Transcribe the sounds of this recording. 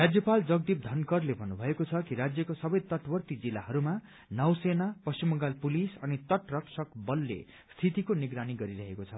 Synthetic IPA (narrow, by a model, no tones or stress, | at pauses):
rad͡zjʌpald͡zʌɡd̪ip̚d̪ʱʌnkʌrlebʱʌnːubʱʌekot͡sʰʌkiɾad͡zjʌkosʌbʌjt̪ʌʈbʌrt̪id͡zilːaɦʌɾuma | nʌwsenapʌst͡ɕimʌŋɡalpulisʌnit̪ʌʈrʌksʌkbʌlːḛ | st̪ʰit̪ikoniɡɾaniɡʌɾiɾʌɦekot͡sʰʌ